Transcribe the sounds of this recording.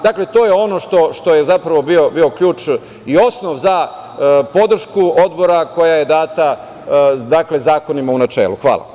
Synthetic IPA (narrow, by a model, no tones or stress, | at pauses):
d̪akle̞t̪o̞ːjeo̞no̞ʃt̪o̞ʃt̪o̞jezapɾaʋo̞bio̞bio̞kʎʲuːt͡ʃ | io̞sno̞ʋza | po̞d̪r̩ʃkuo̞d̪bo̞ɾako̞jaje̞d̪aːt̪a | d̪akle̞zaːkonimaunat͡ʃḛːlˠuxʋa̰ːlˠa̰